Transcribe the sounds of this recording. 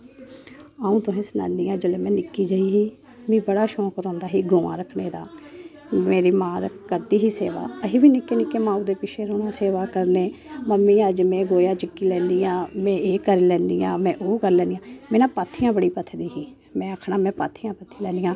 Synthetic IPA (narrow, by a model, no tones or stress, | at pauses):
aːũːt̪ʊɦẽːsəna̰ːnːiːãːd͡ʒəleːmɛ̃ːnɪkːiːd͡ʒəiːɦiː | mĩːbəɽaːʃɔ̃ːkɾɔ̃ːnd̪aːɦiːɡoːʋã̰ːɾəkʰneːd̪a̰ː | meːɾiːmãːɾəkkəɾd̪iːɦiːseːʋa̰ːəɦiːbiːnɪkːeːnɪkeːmãːũːd̪eːpɪʃʰeːɾoːɽaːseːʋaːkəɾneːməmĩːəd͡ʒmɛ̃ːɡoːjaːt͡ʃəkːiːlɛ̃ːnd̪iːãːmɛ̃ːeːkəɾiːlɛːnd̪iːã̰ːmɛ̃ːʔoːɡəlːɛːnijãːmeːnãːpaːt̪ʰijãːbəɽiːpət̪ʰd̪iːɦiː | mɛ̃ːəkʰɳaːmɛ̃ːpa̰ːt̪ʰiːãːpət̪ʰːiːlɛːniːjãː